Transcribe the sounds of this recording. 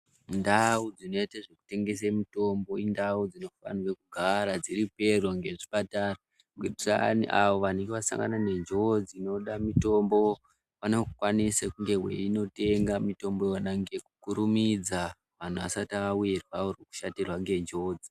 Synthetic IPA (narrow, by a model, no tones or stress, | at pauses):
ndaud͡zino̞iteʐeku̥te̞ŋɡe̞s̬emito̞mbo̞indaud͡zino̞fa̰nwekuɡʱaɾad͡ziɾipe̞rwoŋɡe̞ʐipatara | ɡeaniʔaʋo̞ʋane̞ŋɡeʋasa̰ŋɡa̰nane̞ɲd͡ʒo̞d͡zino̞ɗamito̞mbo̞ | panokukwanisakuŋɡe̞ɦwe̞̰ino̞te̞ŋɡamito̞mbo̞jonaŋɡeku̥kuɾumid͡za | ʋan̤uʋasataaujerwaorweku̥ʃatirwaŋɡe̞ɲd͡ʒo̞ːd͡zi